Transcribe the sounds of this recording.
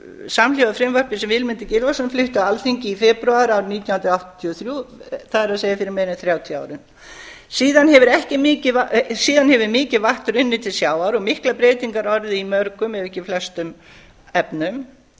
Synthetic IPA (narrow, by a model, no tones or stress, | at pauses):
saml̥awaðfɾɪmvœɾ̥pɪsɛmvɪlmɪnt̪ɪcɪlvasanflʏht̪ʏaalθiɲcɪifɛpɾuaɾawɾniːt̪janh̪nt̪ɾawht̪t̪ʰiɔθɾjuθaðɛɾaðseːjafɪɾɪɾmeːɾnɪθɾjaːwt̪ʰja̰ːwɾɪn | siːðanɦɛvʏɾɛhcɪmɪːcɪvasiːðanhɛvʏmɪːcɪðvaht̪ʏɾʏnːɪt̪ʰɪlsjaːwaɾɔɣmɪhklapɾeːjt̪iŋkaɾɔɾðɪimœɾkʏmɛðɛhcɪflɛst̪ʏm | ɛpnʏm